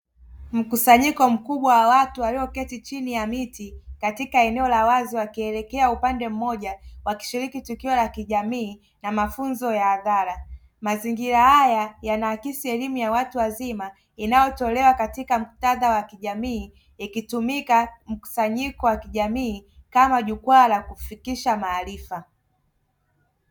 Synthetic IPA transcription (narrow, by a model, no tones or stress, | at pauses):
m̩kusaɲikɔm̩kuɓwawawatuwaliɔkɛtit͡ʃinijamitikatikaɛnɛɔlawaziwakiɛlɛkɛaupandɛm̩mɔʄawaki̥ʃiɾikitukiɔlakiʄamiː | namafunzɔjaːðaɾa | maziŋɡiɾahajajanaːkisiɛlimujawatuwazima | inajɔtɔlɛwakatikam̩taðawakiʄamiː | ikitumikam̩ku̥saɲikɔwakiʄamiːkamaʄukwaːlakufikiʃamaːlifa